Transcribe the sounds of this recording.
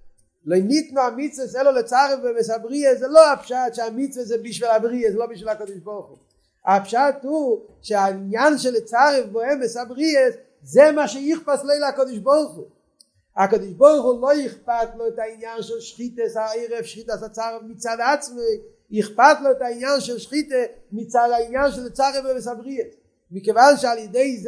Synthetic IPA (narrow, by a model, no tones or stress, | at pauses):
loɪnitnuamit͡svəsɛləlˠət͡saʁəfbɔɛmɛsabʁiəszɛlˠoapʃatʃɪamit͡svəszɛbiʃvilˠabʁiəzɛlˠobiʃ̬vilˠakodɪʃbɔʁχu | apʃat̚uʃɪainjanʃɛlˠɪt͡saʁəfbɔɛmɛsabʁies | zɛmaːʃɛiχpaslˠeɪlɪakɔdɪʃbɔʁχu | akɔdɪʃbɔʁχulˠoiχpatlˠotainjanʃɛlˠʃχitəsaeɪʁɛfʃχitasat͡saʁəfmɪt͡sadat͡smeɪ | iχpatlˠoɪtainjanʃɛlˠʃχitəmɪt͡sadainjanʃɛlˠət͡saʁəfbɔɛmɛsabʁiəs | mɪkəvanʃalˠjədeɪz